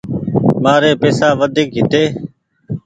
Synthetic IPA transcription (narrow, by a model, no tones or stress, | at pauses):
maːɾeːpeːsaːʋəd̪ʱɪk̚ɦɪt̪eː